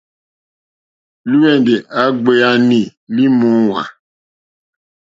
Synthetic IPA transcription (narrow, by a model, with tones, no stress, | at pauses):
lu˦ɛ˨n˨de˨ʔa˨˦ɡ͡be˦a˦ni˨li˦mɔ̃˦wa̰˨